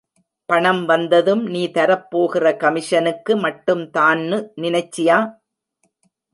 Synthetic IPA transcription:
pɐɳɐmʋɐnd̪ɐðɯmniːt̪ɐɾɐpːoːɣɪrɐkɐmɪʂɐnɯkːɯmɐʈːɯmt̪aːnːɯnɪnɐɪt͡ʃːɪjaː

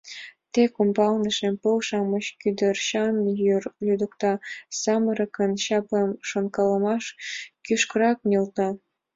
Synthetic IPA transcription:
t̪ekumbɑlnəʃempɤlʃɑmɤ̆ɕkyd̪ərɕɑnjyrlʲud̪ə̆kt̪ɑsɑmɤɾɤ̆kə̆nɕɑplemʃonkɑlə̆mɑʃkyʃkəɾɑknelt̪ɑ

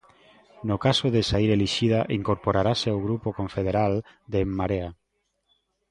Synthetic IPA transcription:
nokasoðesaiɾeliʃiðaʔiŋkoɾpoɾaɾaseawɣ̞ɾupokoɱfeð̞eɾal | d̪emːaɾea

